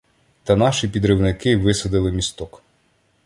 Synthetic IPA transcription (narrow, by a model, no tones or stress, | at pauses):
t̪ɐnɑʃipʲid̪ɾɪwnɪkɪʋɪsɐd̪ɪlˠɪmʲist̪ɔk